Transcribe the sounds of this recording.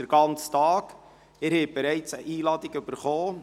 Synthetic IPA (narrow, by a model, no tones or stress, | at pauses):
əɾɡ̥ɑnt͡stɑːk | ɪɾhɛb̥eɾɛɪt͡səʔiːlɑːdɪɡʏb̥əɾχoː